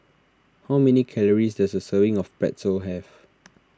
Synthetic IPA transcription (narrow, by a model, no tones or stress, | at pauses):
hawmɛnikʰɛləɹisdɛsəsəvɪ̃ŋɔfpɛ̰tsəlɦɛv